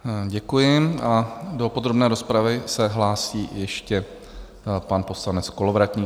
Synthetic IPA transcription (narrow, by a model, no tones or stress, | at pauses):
ɟɛkujɪmado̞po̞d̪ɾo̞bnɛːɾo̞spɾavɪsɛɦlaːsiːjɛʃcɛ | panpo̞slanɛt͡sko̞lo̞vɾat̪ɲiː